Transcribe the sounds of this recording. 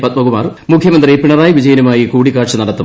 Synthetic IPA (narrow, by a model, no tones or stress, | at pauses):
pɐt̪̚bɐɣumaːrmukʰjɐmɐnd̪ripiɳɐraːjiʋid͡ʑɐjɐnumaːjikuːɽikːaːʈʂɐnɐɽɐt̪ːṵm